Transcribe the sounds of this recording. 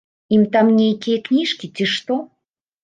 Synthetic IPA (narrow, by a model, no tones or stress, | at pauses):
imt̪amnʲejkʲijɛknʲiʂkʲit͡sʲiʂt̪ɔ